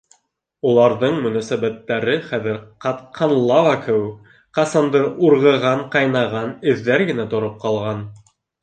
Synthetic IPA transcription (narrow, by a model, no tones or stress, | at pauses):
ulˠɑɾðɤɴmɵ̆næsæβæt̪ːæɾɘχæðɘɾqɑt̪qʰɑnlˠɑvɑkʰɘ̆wɘk | qɑsɑnd̪ɤʔuɾʁɤ̆ʁɑɴqɑjnɑʁɑnɘ̆ðːæɾɡɘ̆næt̪ŏɾop̚qɑlˠʁɑn